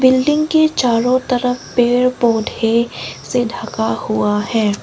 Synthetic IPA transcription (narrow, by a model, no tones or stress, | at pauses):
bɪlɖɪ̃ŋɡket͡ʃaːɾõt̪ɐɾəfpeːɾpoːd̪ʱesedʱəkahʊahɛː